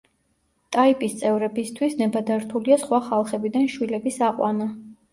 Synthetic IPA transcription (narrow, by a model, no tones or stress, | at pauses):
t̪ʼaipʼist̪sʼɛvɾɛbist̪ʰwisnɛbad̪aɾt̪ʰuliasχwaχalˠχɛbid̪anʃwilɛbisaqʼwana